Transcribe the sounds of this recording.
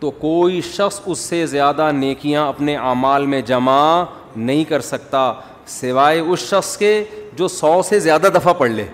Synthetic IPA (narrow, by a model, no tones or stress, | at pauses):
t̪oːkoːiʃɐxsʊsːezjaːd̪aneːkijãɐpneʔaːmaːlmẽd͡ʒɐma | nɐɦĩkɐɾsɐkt̪aː | sɪʋaːeʊsʃɐxsked͡ʒoːsɔːsezjaːd̪ad̪ɐfʰapɐɽ̤leː